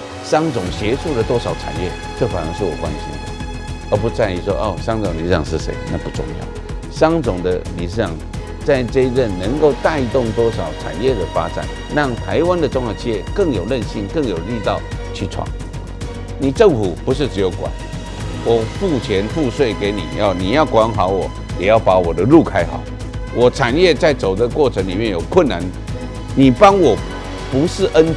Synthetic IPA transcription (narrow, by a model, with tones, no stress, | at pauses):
ʂɑ˥ŋt͡sʊ˨˩ŋɕjɛ˧˥ʈ͡ʂʰu˥˩d̪ə˩t̪wɔ˥ʂɑ˨˥ʊʈ͡ʂʰa̰˨˩njɛ˥˩ | ʈ͡ʂɤ˥˩fa˨˩nə˧˥ŋʂɻ̩˥˩wɔ˨˩kwa̰˧˥n˧ɕi˥nd̪ə˨ | ə˧˥p̬u˧˥t͡sa˥˧ni˧˩ʂwɔ̰˦˥ʔɔ˥˩ʂɑ˥ŋt͡sʊ˨˩ŋ˨i˨˩ʂɻ̩˥˩ɑ˨˩ŋʂɻ̩˥˩ʂḛ˧˥ɪna˥˧˩pu˧˥ʈ͡ʂʊ̰˥˧ŋjɑ̰˥˩ʊ | ʂɑ˥ŋt͡sʊ˨˩ŋd̪ə˦li˨˩ʂ̬ɻ̩˥˩ɑ˨˩˦ŋ | t͡sa˥˧ɪʈ͡ʂə˥˧i˧ʈ͡ʂə˥˧˩nnə˧˥ŋko˥˧ʊt̪a˥˧ɪ˧˥t̪ʊ˥˩ŋt̪wɔ˥ʂɑ˨˩ʊʈ͡ʂʰa̰˨˩njɛ˥˩d̪ə˩fa˥ʈ͡ʂa̰˨˩˦n | ɻɑ˥˩ŋt̪ʰa˧˥ɪwa˥nd̪ə˨ʈ͡ʂʊ˥ŋjɑ˨˩t͡ɕʰi˥˩jɛ˥˧kə˥˩ŋjo˨˩ʊlə˥˧nɕi˥˩nkə˥˩ŋjo˨˩ʊli˥˧t̪ɑ˥˨ʊt͡ɕʰy˥˧ʈ͡ʂʰwɑ̰˥˩ŋ | ni˨˩ʈ͡ʂə˥˨˩ŋfu˨˩pu˧˥ʂ̬ɻ̩˥˩ʈ͡ʂɻ̩˧˥jo˧˥ʊkwa̰˨˩˦n | wɔ˨˩fu˥˩t͡ɕʰjɛ˧˦nfu˥˧swe˥˩ɪke˧˥ɪnḭ˨˩jɑ˥˩ʊni˨˩jɑ˥˩ʊkwa˧˦˥nxɑ˨˥ʊwɔ˨˩ | jɛ˨˩jɑ˥˩ʊpa˧˥wɔ˨˩d̪ə˦lu˥˨kʰa˥ɪxɑ̰˨˩˦ʊ | wɔ˨˩ʈ͡ʂʰa˨˩njɛ˥˧t͡sa˥˩ɪt͡so˨˩ʊd̪ə˦kwɔ˥˩ʈ͡ʂʰə˧˦ŋli˨˩mjɛ˥˨njo˨˩ʊkʰwə˥˩nːa˧˦n | ni˨˩pɑ˥ŋwɔ˨˩ | pu˧˥ʂɻ̩˥˩ʔə˦n